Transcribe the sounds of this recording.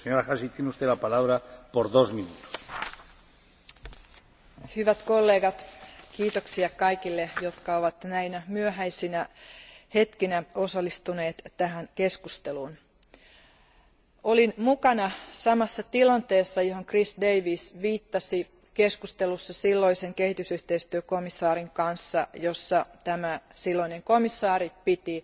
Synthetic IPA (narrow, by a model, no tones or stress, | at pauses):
seɲoɾaxasit̪jeneust̪eðlapalaβɾapoɾðosminut̪o̥s | hyʋæt̪kolːeːɡɑt̪kiːt̪oksiɑkɑjkilːejot̪kɑoʋɑt̪næinæmyøɦæjsinæhe̞t̪kinæo̞sɑlːist̪une̞ːt̪tæhænke̞skust̪eluːn | olinmukɑnɑsɑmɑsːɑt̪ilɑnt̪eːsːɑjohoŋkrisdeiʋisʋiːt̪ːɑsi | keskust̪elusːɑsilːoiseŋkehit̪ysyht̪eist̪yøkomisːɑːɾiŋkɑnsːɑjosːɑt̪æmæsilːoineŋkomisːɑːɾipit̪i